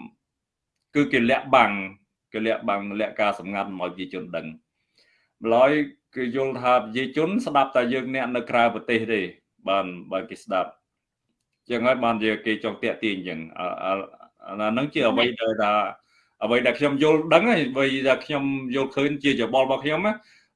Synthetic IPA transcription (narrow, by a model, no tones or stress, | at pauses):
kɨːkeːlɛ̆əʔɓaŋ | keːlɛ̆əʔɓaŋlɛ̆əʔkaːsɑmŋat̪̚mʔaɔjpə̥t͡ɕiət͡ɕʊ̆ənɗəŋ | məlaəjkeːjʊ̆əlt̪ʰaːpat͡ɕiət͡ɕʊ̆ənsɗap̚t̪aɛjəːŋnɛ̆əʔnɨwkraəpɑt̪eːhɗeː | ɓaːnɓaːkeːsɗap̚ | t͡ɕəŋhaəjɓaːnt͡ɕikeːt͡ɕɑŋt̪ɛ̆əʔt̪iəɲt͡ɕəŋʔ | aːnɨŋt͡ɕiəʔəʋəjɗaɛlɗaɛl | ʔəʋəjɗaɛlkʰɲomjʊ̆əlɗəŋaʋɨjɗaɛlkʰɲomjʊ̆əlkʰəːɲt͡ɕiəjoːɓɑlɓɑːkʰɲomaː